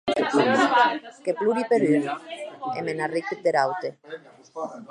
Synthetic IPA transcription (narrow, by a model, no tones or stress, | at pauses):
kepluɾipeɾyɾ | ḛmenariket̪eɾawt̪e